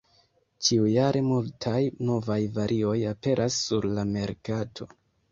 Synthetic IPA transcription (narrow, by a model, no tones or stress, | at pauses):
t͡ʃiujaɾʔe̞multʰajno̞vajvaɾʔio̞jape̞ɾʔasːuɾlame̞ɾkatʰo̞